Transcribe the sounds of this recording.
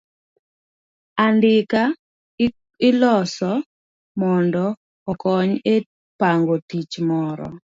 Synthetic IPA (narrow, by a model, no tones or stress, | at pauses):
andɪka | ɪlɔsɔ | mɔndɔ | ɔkɔɲe | paŋɡotit͡ʃmɔɾɔ̰